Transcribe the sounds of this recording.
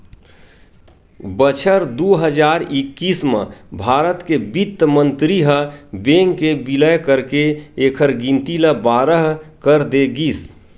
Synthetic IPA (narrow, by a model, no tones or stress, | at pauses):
bət͡ʃʰəɾd̪oɦəd͡ʒaːɾɪkːiːsməbʱaːɾət̪kebit̪ːmə̃nt̪ɾiɦəbeːŋkebiləjkəɾkeeːkʰəɾɡĩnt̪iləbaːɾəɦkəɾd̪eɡiːs